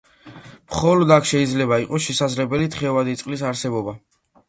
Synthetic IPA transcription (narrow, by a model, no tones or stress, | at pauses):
mχɔlɔd̪akʰʃɛid̪zlɛbaiqʼɔsʃɛsazlɛbɛlit̪ʰχɛvad̪it̪sʼqʼlis̬aɾsɛbɔba